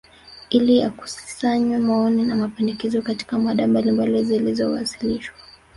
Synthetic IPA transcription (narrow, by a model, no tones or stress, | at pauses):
ilija̰ku̥si̥saɲwɛmaɔninamapɛndɛkɛzɔkati̥kamaɗambalimbalizilizɔwasi̥liʃwa